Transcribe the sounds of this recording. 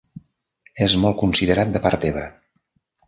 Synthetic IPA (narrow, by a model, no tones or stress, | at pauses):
ezmɔlˠkunsiðəɾat̪̚d̪əpaɾt̪eβə